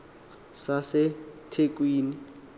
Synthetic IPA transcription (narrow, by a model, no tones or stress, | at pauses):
sasɪtʰek̬ʼwiːni